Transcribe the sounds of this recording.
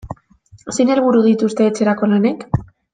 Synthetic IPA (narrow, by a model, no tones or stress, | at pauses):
sejne̞lβ̞uɾuð̞it̪ust̪e̞ːt͡se̞ɾako̞lane̞k